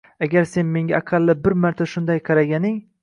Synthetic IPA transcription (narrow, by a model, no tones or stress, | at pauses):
aɡʲaɾse̞nme̞ŋɡʲaːqʰɑlːɪbɪɾmaɾt̪ʰaʃʊnd̪ajqʰɑɾaɡʲanɪŋ